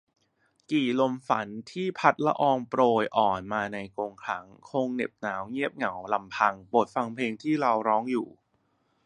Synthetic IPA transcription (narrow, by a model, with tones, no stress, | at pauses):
kiː˨˩lo˧mfa˩˦nt̪ʰiː˥˩pʰa˦˥t̪̚la˦˥ʔɔː˧ŋpɾoː˧jʔɔː˨˩nmaː˧na˧jkoː˧ŋkʰa˦˥ŋkʰo˧ŋne˨˩p̚naː˩˦wŋi˥˩əp̚ŋa˩˦wla˧mpʰa˧ŋpoː˨˩t̪̚fa˧ŋpʰeː˧ŋt̪ʰiː˥˩ɾa˧wɾɔː˦˥ŋjṵː˨˩